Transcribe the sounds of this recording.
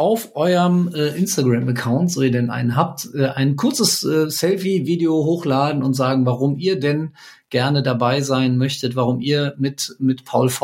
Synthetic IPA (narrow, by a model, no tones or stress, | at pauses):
ʔaʊfʔɔʏɐmʔɛːʔɪnstaɡʁaməkʰaʊntz̥oːiːɐdɛnʔa̰ɪnənɦaːp̚tʔɛːʔaɪnkʰʊɐt͡səsʔɛːsɛlfiviːdeoɦoːxlaːdn̩ʊntz̥aːɡŋ̩vaʁʊmʔiːɐdɛn | ɡ̥ɛɐnədabaɪzaɪnmœçtətv̥aʁ̞ʊmiːɐmɪtmɪtpʰaʊlfɔ